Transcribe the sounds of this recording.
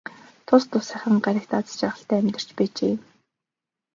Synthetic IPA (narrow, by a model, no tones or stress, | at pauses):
t̪ʰʊst̪ʊsæχʲə̆ŋɢaɾʲɪ̆kt̪at͡st͡ɕæːʁə̆ɬt̪æːæmʲt̪ə̆r̥t͡ɕpæːt͡ɕḛː